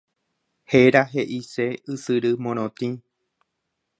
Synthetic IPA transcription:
he̞ɾaɦe̞ʔiseɨsɨɾɨmõɾ̃õt̪ĩ

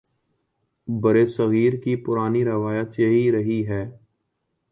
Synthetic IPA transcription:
bɐɾesɐɣiːɾkipʊɾaːniɾɪʋaːjət̪jɐɦiɾɐɦiɦɛː

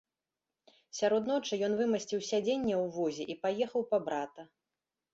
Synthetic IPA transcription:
sʲaɾɔd̪nɔt͡ʂɨjɔnvɨmɐsʲt͡sʲiwsʲad͡zʲenʲːɛwvɔzʲɛʔipajɛxɐwpɐbɾat̪ɐ

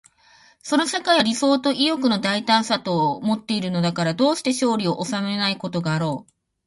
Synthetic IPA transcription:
so̞no̞ɕakaiɾʲiso̞ːt̪o̞ʔijokɯ̟no̞d̪ait̪ãɰ̃sat̪o̞ːmo̞t̪ːe̞iɾɯ̟no̞d̪akaɾad̪o̞ːɕi̥t̪eɕo̞ːɾʲio̞ʔosame̞naiko̞t̪o̞ɡaːɾo̞ː

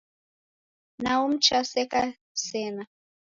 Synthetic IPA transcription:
naum̩t͡ʃasɛka | sɛna

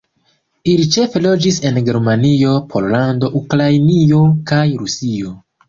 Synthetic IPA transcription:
ilit͡ʃe̞fe̞lo̞d͡ʒise̞nɡe̞ɾmanio̞pʰo̞ɾlando̞ʔukɾajnio̞kajɾusio̞

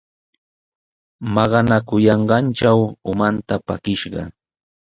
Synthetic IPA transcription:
mɑɢɑnakʊjɑɴɢɑnt͡ʃawʊmant̪apa̰kɪʃɢɑ̰

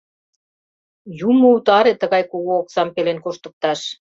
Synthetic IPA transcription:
jumŏut̪ɑɾet̪ə̆ɣɑjkoɣoːksɑmpelenkoʃt̪ə̆k̚t̪ɑʃ

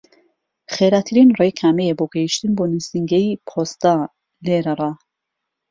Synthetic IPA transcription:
χeɾat̪ʰɨɾinrejkʰaːmejeboɡɐjiʃt̪ɨnboːnisiŋɡeipʰost̪a | leɾɐrˤɑ

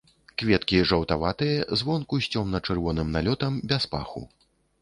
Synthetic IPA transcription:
kvʲɛt̪kʲiʐɐwt̪avat̪ɨjɐzvɔnkusʲt͡sʲɔmnɐt͡ʂɨrvɔnɨmnalʲɔt̪ɐmbʲaspa̰xṵ

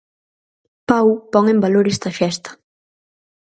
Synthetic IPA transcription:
pawpɔŋembaloɾɛst̪ɐfɛst̪ɐ̥

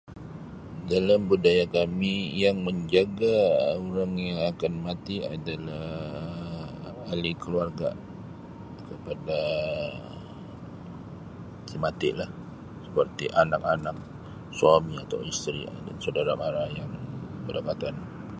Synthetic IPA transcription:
dalambudajakamijaŋməɲd͡ʒaɡaoɾaŋjaŋakanmat̪ia̰dalah | alikəluarɡa | kəpada | simat̪ɪ̰ʔlah | səpərt̪ḭʔanak̚anak̚ | suamiat̪a̰wist̪ɾḭa̰dansadaɾamaɾajaŋbədapat̪an

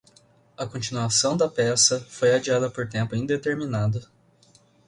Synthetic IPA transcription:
ɐkõnt͡ʃinuasɐ̃w̃d̪ɐpɛsɐfojad͡ʒiad̪ɐpoɾt̪ẽmpʊĩd̪et̪eɾminad̪ɐ

